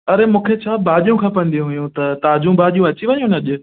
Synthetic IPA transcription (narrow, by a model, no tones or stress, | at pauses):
ɐɾemũːkʰet͡ɕʰaːbʱaːʄijũkʰãːpɐ̃nd̪ijũɦʊjũt̪ɐt̪aːd͡ʑũbʱaːʄijũɐt͡ɕiʋɐjũnɐʄʊ